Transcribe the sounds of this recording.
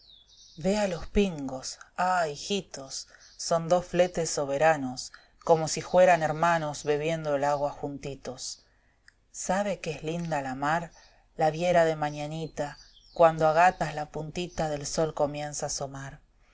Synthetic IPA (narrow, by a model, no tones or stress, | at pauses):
βealo̞spiŋɡo̞saixit̪o̞sː | o̞nd̪o̞sfle̞t̪esːo̞β̞e̞ɾano̞s | ko̞mo̞sixwe̞ɾane̞ɾmano̞zβe̞β̞je̞nd̪oelaɣwaxunt̪it̪o̞sː | aβ̞e̞keezlind̪alamaɾ | laβje̞ɾaðe̞maɲanit̪a | kwand̪oaɣat̪azlapunt̪it̪aðe̞lso̞lko̞mje̞nsaːso̞maɾ